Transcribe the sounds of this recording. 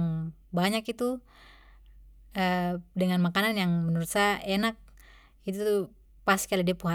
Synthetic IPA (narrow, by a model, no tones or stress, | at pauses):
ŋ | baɲakit̪u | ədəŋanmakananjaŋmənəɾut̪saaʔenak̚ | it̪uuu | paskialadiapuɦa